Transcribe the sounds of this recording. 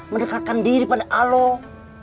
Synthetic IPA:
məndəkat̪̚kandiɾipadaʔalɔ

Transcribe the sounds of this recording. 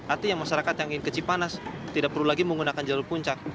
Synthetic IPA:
art̪ijaŋmaʃaɾakat̪jaŋinkət͡ʃipanast̪idaʔ̚pərlulaɡiməŋɡunakand͡ʒalulpuɲt͡ʃak̚

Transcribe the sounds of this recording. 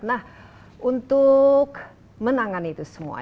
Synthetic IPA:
nah | ʔunt̪ʊk | mənaŋanit̪usəmṵa̰

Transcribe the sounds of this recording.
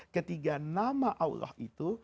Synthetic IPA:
kət̪iɡanamaʔaw̰ɾɔ̰hit̪u

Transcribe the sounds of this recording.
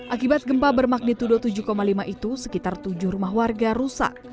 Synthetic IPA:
ʔakibat̪̚ɡəmpabərmak̚nit̪udot̪ud͡ʒuhkomalimaʔit̪usəkit̪art̪ud͡ʒuhɾumaɦwarɡaɾusa̰k̚

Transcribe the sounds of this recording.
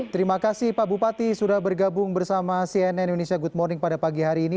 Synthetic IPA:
t̪əɾimakasɪhpabupat̪isudahbərɡabʊŋbərsamasiɛnɛindonesiaɡut̪̚mɔrnɪŋpadapaɡiɦaɾiːni

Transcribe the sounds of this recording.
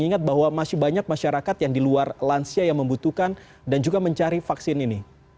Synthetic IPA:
ŋiŋat̪̚baɦwamasɪbaɲak̚maʃaɾakat̪jaŋdiluarlansiajaŋməmbut̪ukan | dand͡ʒuɡaməɲt͡ʃaɾifaksɪnini

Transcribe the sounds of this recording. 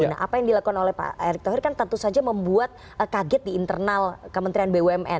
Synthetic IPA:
na̰ɦʔa̰pajaŋdilakukanolɛhpa̰eɾɪk̚t̪oɦɪrkant̪ənt̪usad͡ʒaməmbuat̪̚ | əkaɡɛt̪̚diːnt̪ərnalkəmənt̪ɾianbewɛmʔɛ̰n

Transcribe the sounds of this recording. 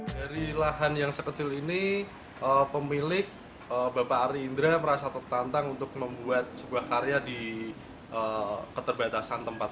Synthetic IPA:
d̥aɾilaɦanjaŋsəkət͡ʃɪlini | ʔəpəmilɪk̚ | əbapaːɾiːnd̪ɾaməɾasat̪ərt̪ant̪aŋunt̪ʊk̚məmbuat̪̚səbuahkaɾejadi | ʔəkət̪ərbat̪asant̪əmpat̪̚

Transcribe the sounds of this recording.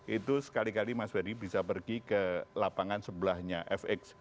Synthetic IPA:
it̪usə̥kalikalimaswaɾibisapərɡikəlapaŋansəbəlahɲaʔɛfɛks

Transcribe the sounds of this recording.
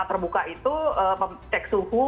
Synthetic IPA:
t̪ərbukaʔit̪uəəmt͡ʃɛksuɦu

